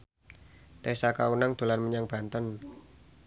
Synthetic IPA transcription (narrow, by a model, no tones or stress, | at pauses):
t̪esakaunaŋd̪̥o̤lanməɲaŋb̥a̤nt̪ən